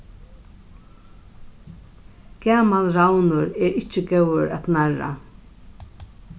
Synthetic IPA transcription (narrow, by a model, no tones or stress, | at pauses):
ɡ̥aːmalɾawnʊɾɛɾɪt͡ʃɪɡɛwəɾa̰t̪naɹa̰